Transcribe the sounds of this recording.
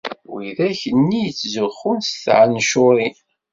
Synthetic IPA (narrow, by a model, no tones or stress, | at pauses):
wiðæçənːijət͡sːzəχʊnsθʕanʃʊɾˤin